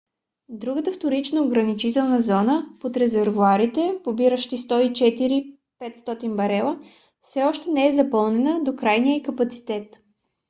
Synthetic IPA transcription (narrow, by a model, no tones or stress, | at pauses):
d̪ɾuɡət̪əft̪oɾit͡ʃnəoɡɾɐnit͡ʃit̪ɛlˠnəzɔnəpot̪ɾɛzɛɾvuaɾit̪ɛpobiɾəʃt̪ist̪ɔit͡ʃɛt̪iɾi | pɛt̪st̪ɔt̪inbɐɾɛlˠə | fsɛɔʃt̪ɛnɛɛzɐpɤlˠnɛnəd̪okɾajnijəikɐpɐt̪si̥t̪ɛt̪